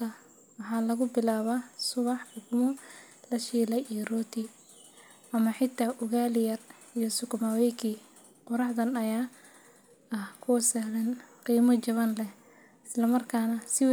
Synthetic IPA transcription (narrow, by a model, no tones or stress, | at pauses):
ɐ | wɑħɑːlɐɣʊbɪlaːβaːsʊβɑħʊɡmʊ | lɐʃiːlɐjijrɔːt̪ʰi | ʔɐmɐħɪt̪ʰːaːʔʊɣaːlɪjɐr | ijɔsʊkʊmawɛjkʰiː | qʊɾɑħd̪ɐnɐjaː | ɐhkʰʊsɛlɛnqiːmɐt͡ʃɐβɐnlɛ | ɪslɐmɐrkʰaːnɐsɪw